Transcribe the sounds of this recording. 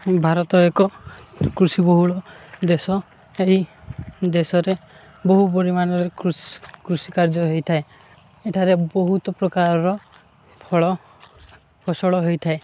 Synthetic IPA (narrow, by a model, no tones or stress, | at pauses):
bʱaɾɔt̪ɔekɔkɾusibɔɦuɭɔd̪esɔ | eɦi | d̪esɔɾe | bɔɦupɔɾimanɔɾekɾukɾusikaɾd͡ʒɔɦejt̪ʰae | eʈʰaɾebɔɦut̪ɔpɾɔkaɾɔɾɔ | pʰɔɭɔ | pʰɔsɔɭɔɦejt̪ʰae